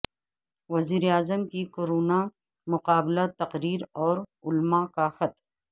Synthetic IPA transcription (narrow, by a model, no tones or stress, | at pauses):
ʋɐziːɾeaːzəmkikoːɾoːna | mʊqaːblat̪ɐqɾiːɾɔːɾʊlmakaxɐt̪